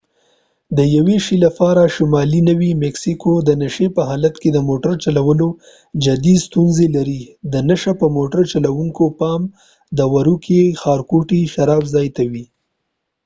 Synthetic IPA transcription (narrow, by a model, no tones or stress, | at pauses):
d̪əjaweʃilafɑɾaʃʊmɑlinəwimɛksikod̪ənaʃepəɦɑlat̪ked̪əmoʈaɾt͡ʃalawəlo | d͡ʒad̪ist̪unzelaɾid̪ənaʃapəmoʈaɾt͡ʃalawuŋkopɑm | d̪əwaɾukexɑɾkuʈiʃaɾɑbzɑjt̪awi